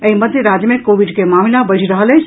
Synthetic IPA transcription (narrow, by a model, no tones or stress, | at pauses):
əiməd̪ʱjɾaːd͡ʒjəmẽkoːʋiɖkemaːmilabɐɾʱiɾəɦəlet͡ʃʰ